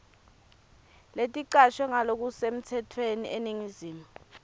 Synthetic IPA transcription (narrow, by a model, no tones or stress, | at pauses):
letʼiǃaʃwɛŋalok̬usem̩tʰɛtʰweniʔeniŋiziːmu